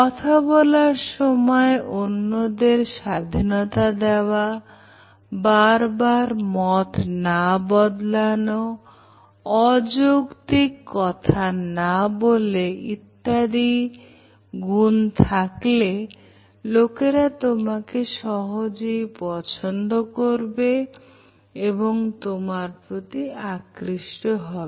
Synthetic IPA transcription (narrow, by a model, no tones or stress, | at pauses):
kɔt̪ʰabɔlaɾʃɔmɔeʔonːod̪eɾʃad̪ʱinɔt̪ad̪eoa | baɾbaɾmɔt̪nabɔd̪lano | ɔd͡ʑoɡt̪ikːɔt̪ʰanaboleit̪ːad̪i | ɡunt̪ʰakle | lokeɾat̪omakeʃɔɦod͡ʑejpɔt͡ɕʰond̪okoɾbe | eboŋt̪omaɾpɾot̪iakɾiʃʈoɦɔbe